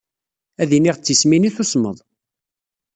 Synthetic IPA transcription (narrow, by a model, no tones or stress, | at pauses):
æðiniʁt͡sːisminiθusmə̰ðˤ